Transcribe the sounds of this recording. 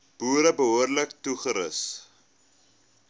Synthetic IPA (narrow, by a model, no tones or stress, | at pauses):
b̥uːɾəbəɦoərləktuχəɾəs